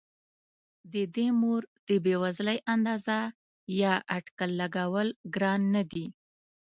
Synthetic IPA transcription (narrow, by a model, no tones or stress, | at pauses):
d̪əd̪emoɾd̪̥əbewazləjʔand̪ɑza | jɑʔaʈkalːaɡawəlɡɾɑnːad̪i